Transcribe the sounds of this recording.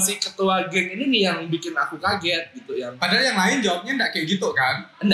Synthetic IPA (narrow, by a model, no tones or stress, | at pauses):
sihkət̪uaɡɛŋininijaŋbikɪnakukaɡɛt̪̚ɡit̪ujaŋpadaajaŋlaɪnd͡ʒawap̚ɲandaʔkajɛʔɡit̪ukanənda